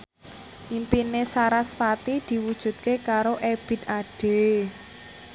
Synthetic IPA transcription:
ʔimpinesaɾasfat̪id̪̥i̤wud̥ʒ̥ṳd̪̚kekaɾoʔeb̥ɪ̤t̪̚aɖ̥e̤

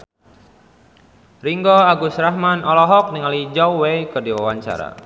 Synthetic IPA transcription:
riŋɡɔaɡʊsrahmanɔlɔɦɔk̚niŋalid͡ʒauwekərdiwawaɲt͡ʃa̰ɾa̰

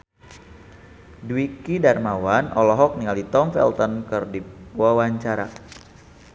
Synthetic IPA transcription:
duwikidarmawanʔɔlɔɦɔk̚niŋalit̪ɔmfɛ̰lt̪ɔnkɨrdiuawaɲt͡ʃaɾa

